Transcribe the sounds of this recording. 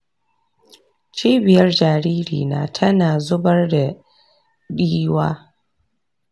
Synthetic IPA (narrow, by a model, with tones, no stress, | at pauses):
t͡ʃiː˦bɪ˨jɐ˦rd͡ʒaː˨ɾiː˦ɾḭː˨na̰ː˦tʰɐ˦naː˨zʊ˦bɐ˦rda˨ | ɗiː˦waː˦